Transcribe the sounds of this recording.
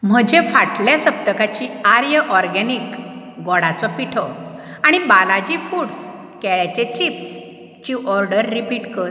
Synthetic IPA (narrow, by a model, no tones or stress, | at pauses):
m̤əd͡ʑefaʈʰljasəp̚t̪əkat͡ɕiaɾjəʔɔɾɡɛnik | ɡɔɽat͡sɔpiʈʰɔ | aɽ̃ibalad͡ʑifuːɽs | kɛɭjat͡ɕet͡ɕips | t͡ɕiʔɔɾɖəɾːipiːʈkəɾ